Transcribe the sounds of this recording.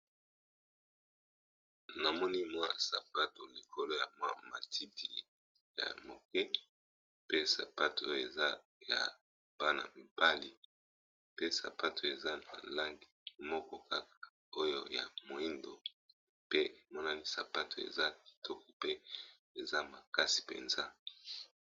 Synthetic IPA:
na˨mɔ˦ni˦mwa˦sa̰˨pa˦to˨li˨kʰo˦lo˦ja˨mwa̰˦ma˨tʰi˦ti˨ | ja̰˨mo˨kɛ˦ | pe˦sa˨pa˦to˨o˦jo˦˨e˨za˦ | ja̰˨ | b̥a˦na̰˨m̩˨pa˦li˨ | pe˦sa̰˨pa˦tʰo˨e˨za˦na̰˨la˦ŋɡi˨mɔ˦kɔ˦ka˦ka˨ | o˦jo˦ja̰˨mo˨i˦ndo˨ | pe˦e˨mɔ˦na˦ni˦sa˨pa˦tʰo˨ḛ˨za˦ki̥˨tʰɔ˦kɔ˦pe˦ | e˨za˦ma˨ka˦si̥˨pḛ˨nza˦

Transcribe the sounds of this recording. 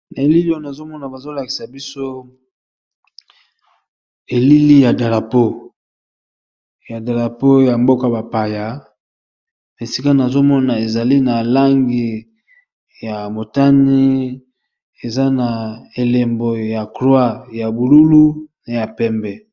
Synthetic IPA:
na˨e˨li˦li˦ɔ˦na˨zo˦mɔ˦na˨ba˨zo˦la˨ki̥˨sa˨bi˦so˦ | e˨li˦li˦ja˨da˨la˨po˦ | ja˨da˨la˨po˦ja˨mbo˦ka˦ba˨pa˨ja˨ | n˨e˨si˦ka˦na˨zo˦mɔ˦na˨e˨za˨li˦na˨la˦ŋɡi˨ | ja˨mo˨ta˦ni˦ | e˨za˦na˨e˨le˨mbo˨ja˨klwa˦ja˨bu˨lu˦lu˦na˨ja˨pɛ˦mbɛ˨

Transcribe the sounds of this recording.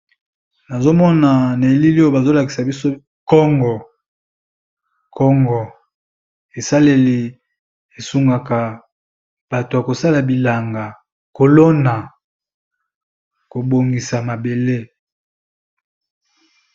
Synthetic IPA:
na˨zo˦mɔ˦na˨na˨e˨li˦li˦o˦˨ba˨zo˦la˨ki̥˨sa˨bi˦so˦ | kɔ˦ŋɡɔ˨ | kʰɔ˦ŋɡɔ˨ | e˨sa˦le˨li˨ | e˨su˦ŋɡa˨ka˨ | b̥a˨to˨a˨ko˨sa˦la˨bi˨la˨ŋɡa˨ | ko˨lo˦na˨ | ko˨bo˨ŋɡi˨sa˨ma˨be˨le˦

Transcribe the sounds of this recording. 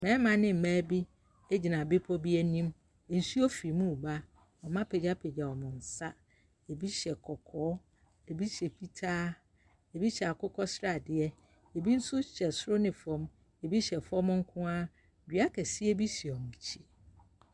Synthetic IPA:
mɛ̃˨˦mã˨nɪ̃˦m̩˨mæ̃ː˦bi˦ | e˦d͡ʑi˨nã˨bɪ˦pʰɔ˦bi˦ɛ˦nĩ˦m | ɛ˨n̩˨su˦ɔ˦fi˨mũ˦˨ba˦ | ɔ˨mã˦pʰe˨d͡ʑa˦pʰe˨d͡ʑa˨wɔ˨mʊ̃˨n̩˨sa˦ | e˨bi˦ɕɛ˨kʰɔ˨kʰɔː˨˦ | e˨bi˦ɕɛ˨pʰi˦tʰaː˦ | e˨bi˦ɕɛ˨a˨kʰʊ˦kʰɔ˦sɾa˨dɪ˨ɛ˦ | e˨bi˦n̩˦sʊ˦ɕɛ˨sʊ˦ɾʊ˦nɪ̃˨fɔ̃˦m | e˨bi˦ɕɛ˨fɔ˦mʊ̃˦ŋ̩˦kʰʊ̃˦a˦˨ | bɥa˦kʰɛ˨si˦ɛ˦bi˦si˨ɔ˨mũ˨t͡ɕʰi˦

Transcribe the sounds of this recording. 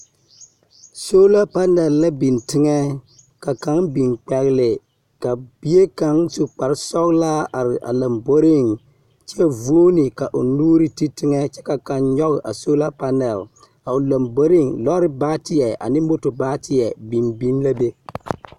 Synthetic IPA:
so˦la˦pa˦nɛ˨lːa˦bi˨ntɪ˦ŋɛ˦ | ka˨ka˨˦ŋbi˨ŋk͡pɛ˨ɣɪ˦lɪ˨ | ka˨bi˦je˦ka˨ŋsu˨k͡pa˨ɾɪ˦sɔ˦ɣla˦ʔa˨ɾɪ˨ʔa̰˨la˨mbo˦ɾɪ˦ŋ | t͡ʃɛ˦vu˦o˦nɪ˨ka˨ʔʊ˨nuː˦ɾi˦ti˦tɪ˦ŋɛ˦t͡ʃɛ˦ka˨ka˨nɲɔ˦ɣɪ˨ʔa˨so˦la˦pa˦nɛ˨l | a˨ʊ˨la˨mbo˦ɾɪ˦ŋlɔ˦ɾɪ˦baː˦tɪ˦jɛ˨ʔa̰˨nɪ˦mo˦to˨baː˦tɪ˨ɛ˨bi˨nbi˦nla˦be˦

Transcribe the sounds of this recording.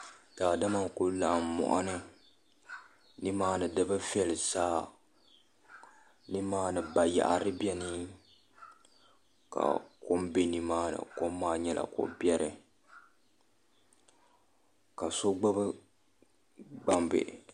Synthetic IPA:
d̥aː˨da˦ma˦kʊ˦lla˨mmɔ̰˨ʔa˦nɨ˦ | nɨ˦maː˦nɨ˨dɨ˦bɨ˦vi˦ɛ˦˨lɨ˨zaː˦ | ni˦maː˦nɨ˨ba˨ja̰˨ʔa˨ɾɨ˦bjɛ˦ni˦ | ka̰˨ko˦mbe˦ni˦maː˦nɨ̰˨ko˦mː˦aː˦ɲɛ˦la̰˨ko̰˦bjɛ˦ɾɨ˨ | ka˨so˦ɡ͡ba˦bɨ˦ | ɡ͡ba˨mbɨ̰˨

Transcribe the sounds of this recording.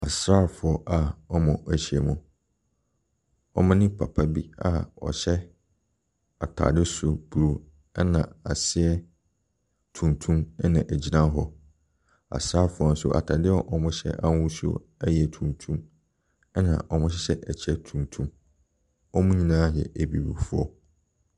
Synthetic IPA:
a˨sɾaː˦fʊ˨ɔ˦ʔa˨ɔ˦mɔ̃˨æ˨ɕi˨ɛ˨mũ˨ | ɔ̰˦mã˦nɪ̃˦pʰa˨pʰa˦bi˦a̰˨ɔ̰˨ɕɛ˦ | a˨tʰa̰ː˨dɪ˦sʊ˨b̥u˨ɾo˨ | ɛ˦nã˨a˨sɪ˦ɛ˦ | tʰũ˨ntʰũ˦mɛ˦nã˨ʔæ˨d͡ʑi˨nã˦ɦɔ˨ | a̰˨saː˦fʊ˨ɔ˨n̩˦sʊ˨ʔa̰˨tʰa˨dɪ˦ɔ˦ʔɔ˨mʊ̃˦ɕɛ̰˦ʔa˦wũ˦so̰˦ | ɛ˦jɛ˨tʰũ˨ntʰũ˦m | ɛ˦nã̰˨ʔɔ˨mʊ̃˦ɕɛ˦ɕɛ˦ʔæ˨t͡ɕʰɛ˦tʰũ˨ntʰũ˦m | ɔ˦mʊ̃˦ɲĩ˦nã˦jɛ̰˨ʔæ˨bi˨bṵ˨fʊ˦ɔ̰˦

